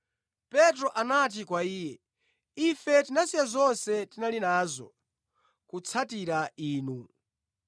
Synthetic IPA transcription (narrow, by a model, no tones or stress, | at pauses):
pɛtɾɔʔanat̬ikwaiːjɛ | ifɛtinasijazɔnsɛtinalinaːzɔ̰ | kut͡sʰatiɾaiːnu